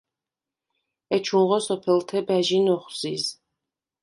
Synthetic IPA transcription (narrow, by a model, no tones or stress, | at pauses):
ɛt͡ʃʰunʁɔsɔpʰɛlt̪ʰɛbæʒinɔχz̥iz